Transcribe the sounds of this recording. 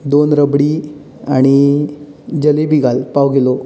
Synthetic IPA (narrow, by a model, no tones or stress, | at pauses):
d̪onɾəbɽi | aɽ̃i | d͡ʑəlebiɡalpaʋɡelo